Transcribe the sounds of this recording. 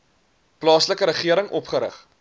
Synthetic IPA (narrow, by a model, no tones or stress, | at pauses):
plɑːsləkəɾəχiəɾəŋʔɔpχəɾə̰χ